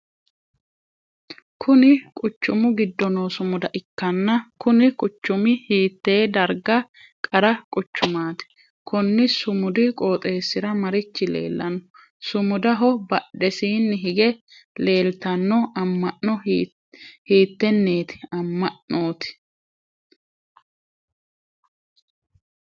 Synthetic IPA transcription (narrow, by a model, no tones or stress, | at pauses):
kʰʊnɪkʼʊt͡ʃːʊmʊɡɪd̪ːɔnoːsʊmʊd̪ɐʔɪkːɐnːɐkʊnɪkʼʊt͡ʃːʊmɪhiːt̪ːe̞ːd̪ɐɾɡɐ | kʼɐɾɐkʼʊt͡ʃːʊmaːt̪ɪ̥ | kʰɔnːɪsʊmʊd̪ɪkʼoːt̪ʼe̞ːsːɪɾɐmɐɾɪt͡ʃːɪlḛːlːɐ̰nɔ | sʊmʊd̪ɐɦɔbɐɗɛsiːnːɪɦɪɡɛ | le̞ːlt̪ɐnːɔɐmːɐʔɔ | hiːt̪ːɛnːeːt̪ɪ̥ɐmːɐʔoːt̪ɪ̥